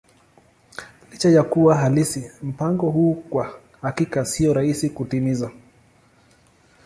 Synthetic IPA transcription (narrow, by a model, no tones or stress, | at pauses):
lit͡ʃajakuwaɦalisim̩paŋɡɔɦuːkwa | hakikasiɔɾaisikutimiza